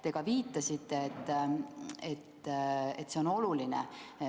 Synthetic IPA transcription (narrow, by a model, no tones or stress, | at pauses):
t̪e̞ɡ̥ɑviːt̪ˑːɑsit̪ˑːe̞ːt̪ː | et̪ːet̪ːˑseo̞no̞lulinḛ